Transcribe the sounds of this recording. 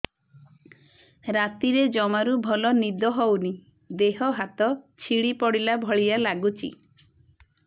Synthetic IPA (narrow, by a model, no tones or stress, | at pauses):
ɾat̪iɾed͡ʒɔmaɾubʱɔlɔnid̪ɔɦɔwni | d̪eɦɔɦat̪ɔt͡ʃʰiɽipɔɽilabʱɔɭijalaɡut͡ʃʰḭ